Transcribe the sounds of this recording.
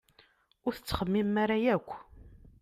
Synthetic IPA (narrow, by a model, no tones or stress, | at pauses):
ʊɾθə̥t͡sːχəmːimaɾajækʷː